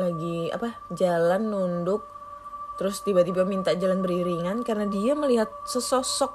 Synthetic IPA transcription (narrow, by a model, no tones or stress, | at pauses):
laɡia̰pad͡ʒalanːundʊk̚ | t̪əɾʊst̪ibat̪ibamint̪ad͡ʒalanbəɾiɾiŋankarnadiaməliɦat̪̚səsɔsɔk̚